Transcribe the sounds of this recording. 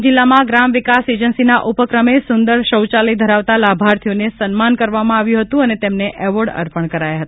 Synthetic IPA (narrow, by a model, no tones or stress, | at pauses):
d͡ʒɪlːamãɡɾamʋɪkased͡ʒənsinaʔupəkɾəmesʊnd̪əɾʃəwt͡ʃaləid̪ʱəɾaʋt̪alabʱaɾt̪ʰijonesənmankəɾʋamãaʋjũɦət̪ũənet̪emneʔɛʋəɖə̰ɾpəɳkəɾajaɦət̪a